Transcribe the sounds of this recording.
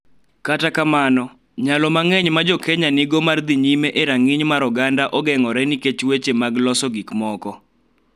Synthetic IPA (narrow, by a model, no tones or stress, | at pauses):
katakamanɔ | ɲalɔmaŋɛɲmad͡ʒɔkʰeɲanɪɡomard̪iɲimeʔeɾaŋɪɲmaɾɔɡandaʔɔɡɛŋɔɾɛniket͡ʃwet͡ʃemaɡlɔsɔɡikmɔkɔ